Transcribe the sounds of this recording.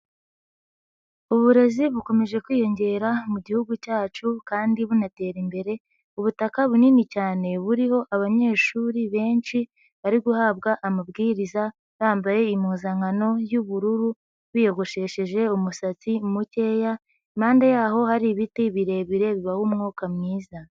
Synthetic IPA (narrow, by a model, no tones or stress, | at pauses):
uβuɾe̞ziβuko̞me̞ʒe̞kwiːjo̞ɲɟe̞ːɾamuɟihuɡucaːt͡ʃukaːndiβunate̞ːɾimbe̞ɾe̞ | uβutakaβuninicaːne̞βuɾiho̞ʔaβaɲe̞ːʃuːɾiβe̞ːnt͡ʃi | βaɾiɡuhaβɡaʔamabɡiːɾiza | βaːmbaje̞imuːzaŋano̞juβuɾuɾu | βijo̞ɡo̞ʃe̞ʃeʒe̞umusat͡simuce̞ja | maːndajaːho̞haɾiβitiβiɾe̞βiɾe̞βiβahumŋuːkamŋiːza